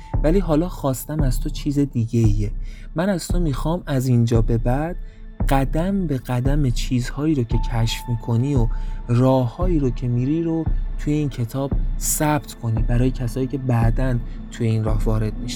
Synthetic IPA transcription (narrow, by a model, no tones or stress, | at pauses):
væliːɦɒːlɒːxɒːst̪æmæz̥t̪ʰo̞t͡ʃʰiːze̞d̪iːɟe̞ie | mænæz̥t̪ʰomixɒːmæzind͡ʒɒːbe̞bæd̪̥ | ɢ̥æd̪æmbe̞ɣæd̪æmet͡ʃʰiːzhɒːiːɾocʰe̞cʰæʃfmiːkʰo̞niːorɒːhːɒːiːɾocʰe̞miːɾiːɾot̪ʰuje̞iːncʰe̞t̪ʰɒːb̥̚sæb̥t̪ʰkʰo̞niːbæɾɒːje̞cʰæsɒːiːcʰe̞bæd̪ænt̪ʰuje̞inrɒːhvɒːɾe̞d̪̚miʃæ̥